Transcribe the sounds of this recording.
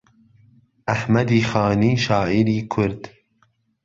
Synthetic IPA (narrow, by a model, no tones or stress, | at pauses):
ʔahmad̪iːxɑːniːʃɑːʔiɾiːkʰʊɾd̪̥